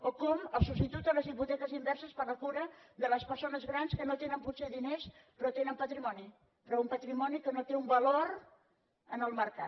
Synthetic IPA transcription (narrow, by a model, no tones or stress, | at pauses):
okɔməlˠsubst̪it̪ut̪ələzβiput̪ɛkəzimbɛɾsəspəɾləkuɾəd̪ələspəɾsonəzɣɾanskənot̪enəmputseðinespɾɔt̪enəmpət̪ɾimɔni | pɾɔumpət̪ɾimɔnikənot̪eumbəloɾ | ənəlˠməɾka